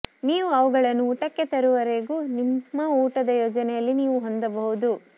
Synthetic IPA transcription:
niːʋuɐʋuɡɐɭɐnːuuːʈɐkːe̞t̪ɐɾuʋɐɾe̞ːɡuːnimːɐuːʈɐd̪ɐjoːd͡ʒɐnɛjɐlːiniːʋuɦond̪ɐbɐɦud̪u

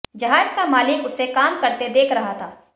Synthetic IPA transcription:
d͡ʒɐɦaːd͡ʒkamaːlɪkʊsekaːmkɐɾt̪ed̪eːkʰɾɐɦat̪ʰaː

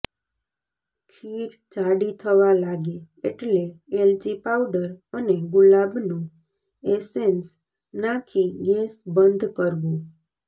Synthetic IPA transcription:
kʰiɾ | t͡ʃaɽit̪ʰəʋalaɡe | eʈleeld͡ʒipawɖəɾəneɡʊlabnũ | esens | nãkʰiɡesbənd̪ʱkəɾʋũ

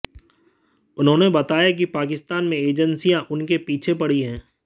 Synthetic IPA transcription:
ʊnɦõːnebɐt̪aːjak̬ipaːk̬ɪst̪aːnmẽeːd͡ʒənsijãʔʊnkepiːt͡ʃʰepɐɽ̤iɦɛ̃ː

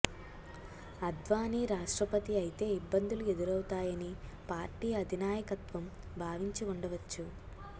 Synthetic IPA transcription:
ɐd̪ʋaːniɾaːʂʈɾɐpɐt̪iɐjit̪e̞ːibːɐnd̪ulue̞d̪uɾɐwt̪aːjɐnipaːɾʈiːɐd̪ʱinaːjɐkɐt̪ʋɐm | bʱaːʋiɲt͡ʃiuɳɖɐʋɐt͡ʃːu

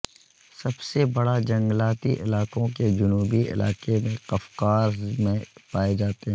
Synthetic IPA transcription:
sɐbsebɐɽad͡ʒɐ̃ŋɡlaːt̪iʔɪ̰laːqõked͡ʒʊnuːbiɪ̰la̰ːqemẽqɐfqaːɾzmẽpaːed͡ʒaːt̪eɦɛ̃

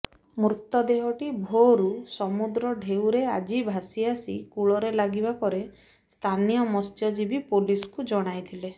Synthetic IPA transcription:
mɾut̪ːɔd̪eɦɔʈibʱoɾusɔmud̪ɾɔɖʱewɾead͡ʒibʱasiasikuɭɔɾelaɡibapɔɾe | st̪ʰanijɔmɔst̪ʰjɔd͡ʒibipoliskud͡ʒɔɽ̃ajt̪ʰile

